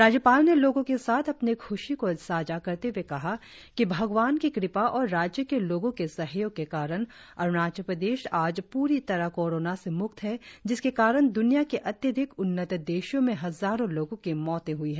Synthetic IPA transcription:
ɾaːd͡ʒjəpaːlneloːɡõkesaːt̪ʰɐpnikʰʊʃikosaːd͡ʒakɐɾt̪ewekɐɦa | kibʱɐɡʋaːnkikɾɪpaʔɔːɾːaːd͡ʒjəkeloːɡõkesɐɦjõɡ̚kekaːɾəñ | ɐɾnaːd͡ʒəpɾəd̪eːʃaːd͡ʒpuːɾit̪ɐɾakɔːɾoːnasemʊkt̪ɦɛd͡ʒɪskekaːɾəñd̪ʊnijakeʔɐt̪jəd̪ʱɪkʊnːət̪d̪eːʃjõmẽɦɐzaːɾõloːɡõkemɔːt̪ẽɦʊiɦɛ̃ː

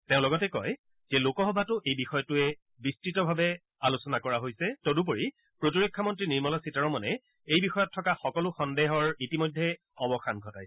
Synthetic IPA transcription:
tẽʊ̃lɔɡɔtɛkɔj | z̥ɛlokɔɦɔbʱatʊʔejbixɔjɔtʊɛ | bistɹitɔbʱabɛ | alusɔnakɔɹaɦojsɛtodup̬oɹi | pɹotiɹekʰːamɔntɹiniɹmɔlɔsitaɹɔmɔnɛ | ejbixɔjɔtʰːɔkaxɔkɔlʊxɔndeɦɔɹitimojdʱːɛ | ɔbɔxanɡʱɔta̰j

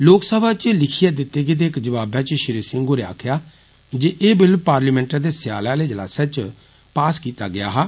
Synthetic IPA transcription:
loːksəbaːt͡ʃlɪkʰijaːd̪ɪt̪ːeːɡɪd̪eːɪkd͡ʒəʋaːbãːt͡ʃʃɪɾiːsɪ̃ŋɡɦoːɾea̰ːkʰjaː | d͡ʒeːʔeːbɪlpaːɾliːmɛ̃ːɳʈãd̪eːsɪja̰ːlãːleːd͡ʒəla̰ːseːt͡ʃ | paːskiːt̪a̰ːɡɪja̰ːɦaː

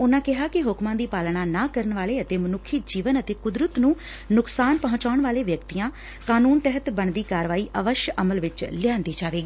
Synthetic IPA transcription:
ʊnãːkɪɦaːkɪɦʊkmãːd̪iːpaːlnaːnaːkəɾənʋaːleːət̪eːmənʊkʰːiːd͡ʒiːʋənət̪eːkʊd̪ɾət̪nũː | nʊksaːnpəɦʊ̃ɲt͡ʃaːʊɳʋaːleːʋjəkt̪ijãː | kaːnuːnt̪ɛɦət̪bəɳd̪iːkaːɾʋaːiːʔəʋəʃjəʔəməlʋɪt͡ʃlɪjãːnd̪iːd͡ʒaːʋeːɡi

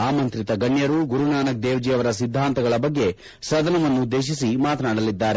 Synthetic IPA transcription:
aːmɐnt̪ɾit̪ɐɡɐɳjɐɾuɡuɾunaːnɐk̚d̪eːʋd͡ʒijɐʋɐɾɐsid̪ʱːaːnt̪ɐɡɐɭɐbɐɡːe̞ | sɐd̪ɐnɐʋɐnːud̪ːe̞ːʃ̬isimaːt̪ɐnaːɽɐlid̪ːaːɾe

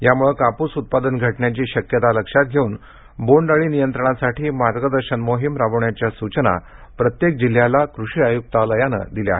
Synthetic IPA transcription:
jamuɭekapuːsut̪̚pad̪ənɡʱəʈɳjat͡ɕiːɕəkjət̪aləkʂat̪̚ɡʱeuːn | boɳɖəɭiːnijənt̪ɾəɳ̃asaʈiːmaɾɡəd̪əɾɕənmoɦimɾaʋəɳjat͡ɕjasut͡ɕəna̰ | pɾət̪jek̚d͡ʑil̤ːjalakɾuɕiːajuk̚t̪aləjanə̰d̪ileaɦe

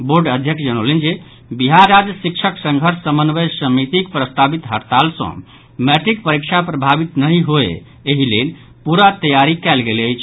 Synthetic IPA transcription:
boɾɖəd̪ʱjəkt͡ʃʰd͡ʒənolend͡ʒe | biɦaɾːad͡ʒjəsik̚t͡ʃʰəksə̃ŋɡʱəɾsːəmənʋesəmit̪ikpɾəst̪ʰabit̪ɦəɾt̪alsə̰̃ | mɛʈɾikpəɾikt͡ʃʰapɾəbʱabit̪nəɦĩɦoḛː | ɦilḛl | puɾat̪əjaɾikɛlɡeləjt͡ʃʰ

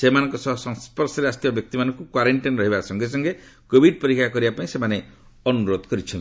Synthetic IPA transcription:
semanɔŋkɔsɔɦɔsɔŋspɔɾsɔɾeast̪jɔbjɔk̚t̪imanɔŋkukwaɾeɳʈinɾɔɦibaksɔŋɡes̬ɔŋɡekobʱiɖ̚pɔɾikakɔɾibapaĩsemane | ɔnuɾod̪ɔkɔɾit͡ʃʰɔn

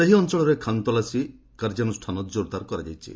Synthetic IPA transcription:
seɦiɔnt͡ʃɔɭɔɾekʰant̪ɔlasi | kaɾd͡ʒanusʈʰanɔt̪d͡ʒoɾt̪aɾkɔɾad͡ʒa̰jt͡ʃʰḭ

